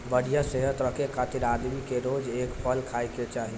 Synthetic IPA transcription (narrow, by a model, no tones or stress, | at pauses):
bəɽijaseɦət̪ɾəkʰekʰaːt̪iɾaːd̪mikeɾoːd͡ʒeːkpʰəlkʰajket͡ʃaːɦi